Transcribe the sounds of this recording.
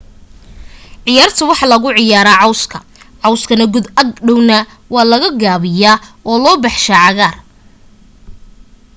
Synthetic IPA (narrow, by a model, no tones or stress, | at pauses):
ʕɪjaːrt̪ʰɐwɑħɑlɐɣʊʕɪjaːɾaːʕɑwskʰɐ | ʕɑwskʰɐnɐɡʊd̪ɐɡɖɔwnɐ | wɑːlɐɣɐɡaːβɪjaːɔːlɔːbɑħʃaːʕɑɣaːr